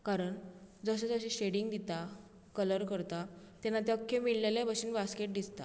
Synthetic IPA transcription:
kaɾəɳd͡zəɕ̬et͡səɕeɕeɽiŋɡd̪it̪a | kələɾkəɾt̪a | t̪janːat̪jəkʰːemiɭlelabəɕinbaskeʈ̚d̪ist̪a̰

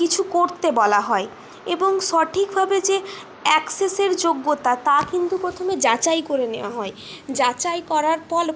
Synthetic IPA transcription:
kit͡ɕʰukoɾt̪ebɔlaɦɔe | eboŋʃɔʈʰikbʱabed͡ʑe | ɛkseseɾd͡ʑoɡːot̪at̪akint̪upɾot̪ʰomed͡ʑat͡ɕajkoɾeneoaɦɔed͡ʑat͡ɕajkɔɾaɾfɔl

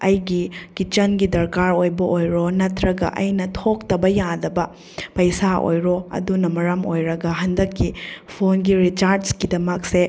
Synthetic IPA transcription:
ɐjɡikit͡ʃɐnɡidɐɾkaɾojbɐʔojɾonɐtɾɐɡɐ̰ʔɐjnɐtʰok̚tɐbɐjadɐbɐ | pɐjsao̰jɾoɐ̰dunɐmɐɾɐmojɾɐɡɐɦɐndɐkːipʰonɡiɾit͡ʃaɾsɡidɐmɐk̚se

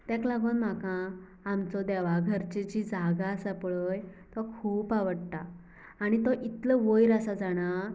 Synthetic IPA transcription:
t̪ɛ̃klaɡuːnm̤akãː | mt͡sɔd̪ɛʋaɡʱəɾt͡ɕed͡ʑid͡zaɡasapɭəjt̪ɔkʰuːpaʋəɽt̪aː | ñit̪ɔʔit̪ləʋəjɾəsad͡zaɽ̃a

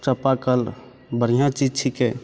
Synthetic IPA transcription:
t͡ʃəpakəl | bəɾ̤ijãt͡ʃid͡ʒʈʰikɦɛː

